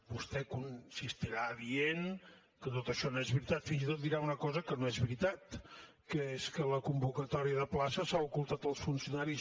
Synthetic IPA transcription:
bust̪ɛkunsist̪iɾaːðien | kət̪ot̪əʃɔnoezβɾit̪at̪finzit̪ot̪̚d̪iɾaunəkɔzəkənoezβɾit̪at̪ | kəeskələkumbukət̪ɔɾiəðəplasəsaukulˠt̪at̪əlˠsfunsiunaɾi

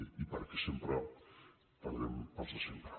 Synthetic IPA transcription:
ipaɾkesempɾa | t̪anɾḛmpasasempɾa

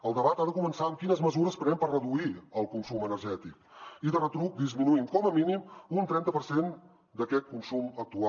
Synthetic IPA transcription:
əlˠd̪əβat̪aðəkumənsaəmkinəzməzuɾəspɾənɛmpərrəðuiəlˠkunsumənəɾʒɛt̪ik̚iðərət̪ɾuk̚d̪izminuiŋkɔməminimunt̪ɾɛnt̪əpəɾsen | d̪əkɛt̪̚kunsumək̚t̪ua

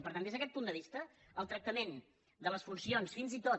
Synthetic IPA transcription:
pəɾt̪and̪ezðəkɛt̪pund̪əβist̪əː | lˠt̪ɾək̚t̪əmen | d̪ələsfunsionsfinzit̪o

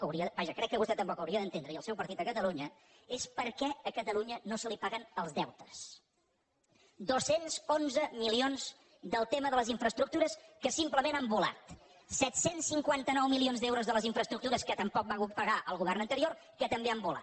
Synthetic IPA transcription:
kəwɾiəbaʒəkɾɛkːəβust̪ɛt̪əmpɔkəwɾiəðənt̪end̪ɾəiəlˠsɛwpəɾt̪it̪əkət̪əluɲə | espəɾkɛəkət̪əluɲənosəlipaɣənəlˠzðɛwt̪ə̥s | d̪osenzonzəmilionz | d̪əlˠt̪eməðələziɱfɾəst̪ɾuk̚t̪uɾəskəsimpləmenambula̰t̪ | sɛt̪sensːiŋkwant̪ənɔwmilionzðewɾuzðələziɱfɾəst̪ɾuk̚t̪uɾəskət̪əmpɔk̚baɣut̪̚pəɣaʔəlˠɣuβɛrnənt̪əɾioɾ | kət̪əmbeambula̰t̪

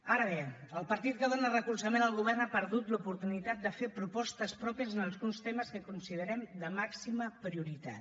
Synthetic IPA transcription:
aɾəβeəlˠpəɾt̪it̪̚kəðonarəkulsəmenəlˠɣuβɛrnapəɾðut̪lupuɾt̪unit̪at̪̚d̪əfepɾupɔst̪əspɾɔpiəzənəlˠzɣunst̪eməskəkunsið̞əɾɛmd̪əmaksiməpɾiuɾit̪a̰t̪

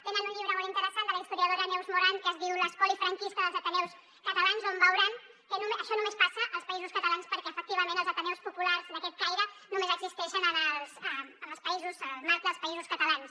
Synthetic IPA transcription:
t̪enənuɲʎiβɾəmolˠint̪əɾəsand̪ələist̪uɾiəð̞oɾənɛwzmuɾankəzðiwləskɔlifɾəŋkist̪əðəlˠzət̪ənɛws | kət̪ɐlanzombəwɾaŋ | kənuməʃɔnumespasəʔəlˠspəizuskət̪alanspəɾkɛəfək̚t̪iβəmẽnəlˠzət̪ənɛwspupularzd̪əkɛt̪̚kajɾənumezəɡzist̪ɛʃənənəlˠzəəməlˠspəizuzlmaɾt̪ðəlˠspɐizuskət̪ɐlans

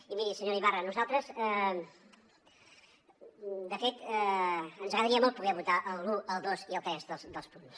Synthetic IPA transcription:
imiisəɲoɾiβarɐnuzalˠt̪ɾəzɛ | d̪əfet̪ɛənzɐɣɾɐðɐɾiɐmolˠt̪̚puɣeɾβut̪aʔəlˠluʔəlˠd̪osiəlˠt̪ɛzðəlˠsd̪əlˠspunt̪u̥s

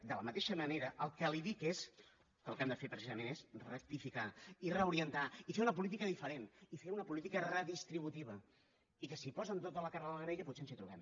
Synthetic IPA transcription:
d̪ələmət̪eʃəməneɾəʔəlˠkəliðikes | kəlˠkɛmd̪əfepɾəsizəmenesrək̚t̪ifikairəuɾiənt̪aifeunəp̬ulit̪̬ikəðifəɾenifeunəpulit̪ikərəðist̪ɾiβ̞ut̪iβ̞ə | ikəsipɔzənt̪̬ot̪ələkarəðəɣɾeʎəput̪seənzit̪ɾuβɛm

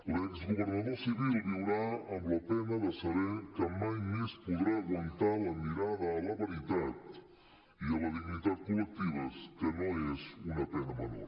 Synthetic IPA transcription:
lekzɣuβəɾnaðosiɣiəɾiwɾaəmləpɛnəðəsəβɛkəmajmespuðɾaːɣwənt̪aləmiɾaðəːləβəɾit̪at̪ | iələðiɡnit̪at̪̚kulək̚t̪iβəskənoezunəpɛnəməno̰ɾ

